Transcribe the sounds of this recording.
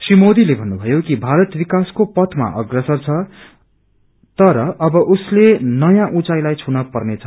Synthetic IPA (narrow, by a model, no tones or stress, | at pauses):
srimod̪ilebʱʌnːubʱʌjokibʱaɾʌt̪bikaskopʌt̪ʰma̰ʔʌ̰ɡrʌsʌrt͡sʰʌ | t̪ʌɾʌʔʌbʌʔuslenʌjãʔũt͡sajlajt͡sʰunʌpʌrnet͡sʰʌ